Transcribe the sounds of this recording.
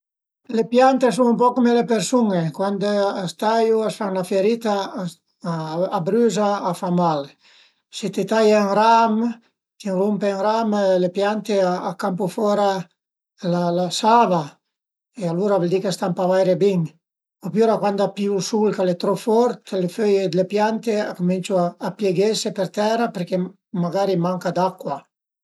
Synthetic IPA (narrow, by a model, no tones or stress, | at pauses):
lepjant̪es̬uŋumpɔkomelepeɾsuŋekwand̪ast̪ajuasfaŋnafeɾit̪a | bɾyzaːfamal | sit̪et̪ajaŋɾam | k̪iŋrumpeaŋɾamlepjant̪eaakampufɔɾa | lalasava | ealuɾavɛld̪ikest̪ampavajɾebiŋ | apjuɾakwand̪apjusulkalet̪ɾofɔɾt̪leføjed̪elepjant̪eakomint͡ʃuaːpjeɡesepeɾt̪ɛɾapeɾke | maɡaɾimaŋkad̪akːwa